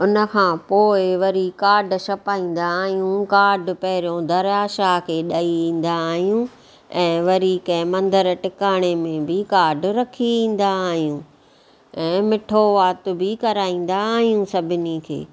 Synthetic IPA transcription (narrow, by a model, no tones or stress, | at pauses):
ʊnə̆kʰãːpoːɪʋɐɾikaːɾɖʃɐpaːĩːn̆d̪aːɦijũkaːɾɖpɐɦɪɾijõd̪ʱɐɾaːʃakʰeːɗaːiʋĩːn̆d̪aːɦijũ | ɛ̃ːʋɐɾiːkɛ̃ːmɐ̃nd̪əɾʈɪkaːɽ̃emẽbɪkaːɾɖɾɐkʰiʋĩːn̆d̪aːɦijũ | ɛ̃ːmɪʈʰoʋaːt̪ʊ̆bɪkɐɾaːĩːn̆d̪aːɦijũsɐbʱɪnikʰḛː